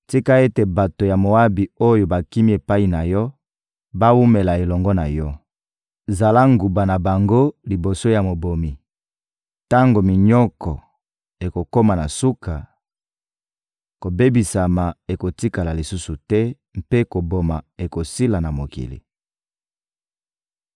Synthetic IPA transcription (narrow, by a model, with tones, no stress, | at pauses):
ti˦ka˦e˦te˨ba˨to˨ja˨mo˨a˦bi˨o˦jo˨ba˨ki˦mi˦e˨pa˦i˨na˨jɔ˦ | ba˦wu˦me˨la˨e˨lɔ˨ŋɡɔ˦na̰˨jɔ˦ | za˨la˦ŋɡu˨ba˨na˨ba˨ŋɡo˦li˨bo˨so˦ja˨mo˨bo˨mi˨ | ta˦ŋɡo˨mi˨ɲɔ˦kɔ˨ | e˨ko˨ko˦ma˨na˨su˦ka˨ | ko˨be˦bi˨sa˨ma˨e˨ko˨ti˦ka˨la˨li˨su˦su˨tɛ˦ | mpe˦ko˨bo˨ma˨e˨ko˨si˦la˨na˨mo˨kḭ˨lḭ˨